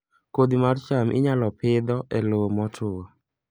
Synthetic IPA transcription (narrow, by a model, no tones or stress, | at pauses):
kod̪imart͡ʃamʔɪ̰ɲalɔpɪd̪ɔʔɛlomɔtʰʊwɔ